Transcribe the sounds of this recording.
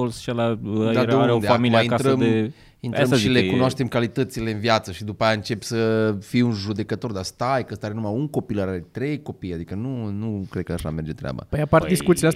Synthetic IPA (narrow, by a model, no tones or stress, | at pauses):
olsʃalaad̪eund̪eamiliainkaɾəme | inɾɾəmʃilekkunwaʃt̪e̞mkalit̪ət̪sile̞ɨnviat̪səʃid̪upajaɨnt͡ʃe̞psəfiunʒud̪e̞kət̪o̞rd̪ast̪ajkəəst̪aɾenumaunko̞pilaɾaɾet̪ɾe̞jko̞pijad̪ikənunukɾe̞d̪̚kəaʃa̰me̞rd͡ʒet̪ɾea̰ba̰əjapart̪d̪iskut̪sileas